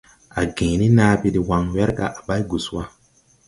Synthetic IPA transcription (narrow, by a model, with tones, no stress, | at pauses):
a˨ɡẽ˨ni˦naː˦bi˦di˨wa˨ŋwɛ˦ɾɡa̰˨ʔa˨ba˦jɡu˨swa˦